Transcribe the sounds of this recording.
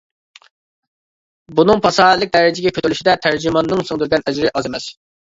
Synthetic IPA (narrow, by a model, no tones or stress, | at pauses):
bunɨŋpʰɑsɑlːˠɪk̚ʲd̪ɛɾɪd͡ʒɪɡʲɛkʲʰøt̪ʰylyʃid̪ɛt̪ʰæɾd͡ʒimɑnːɨŋsuŋd̪yɾɡʲɛnɛd͡ʒɾɪʔɑzemɛs